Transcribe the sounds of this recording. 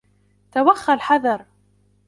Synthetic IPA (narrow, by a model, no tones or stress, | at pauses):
t̪awaxːalħaðˤɑɾˤ